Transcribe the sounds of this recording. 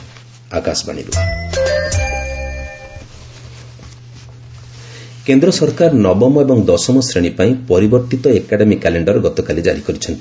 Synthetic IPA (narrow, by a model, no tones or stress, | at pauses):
a̰kasba̰ɽ̃ḭɾṵ | kend̪ɾɔsɔɾkaɾnɔbɔmɔebɔŋd̪ɔsɔmɔsɾeɽ̃ipaĩpɔɾibɔɾt̪it̪ɔekaɖemikɛleɳɖɔɾɔɡɔt̪ɔkalid͡ʒaɾikɔɾit͡ʃʰɔnt̪i